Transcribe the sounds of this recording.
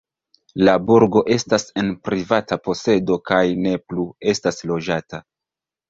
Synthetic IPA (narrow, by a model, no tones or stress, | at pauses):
labuɾɡo̞ʔe̞stase̞npɾivatapo̞se̞do̞kajne̞plue̞staslo̞d͡ʒata